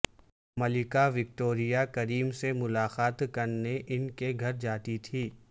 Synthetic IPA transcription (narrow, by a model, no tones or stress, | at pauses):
mɐlɪkaʋɪk̚ʈoːɾijakɐɾiːmsemʊlaːxaːt̪kɐɾneʔɪnkeɡʱɐɾd͡ʒaːt̪it̪ʰiː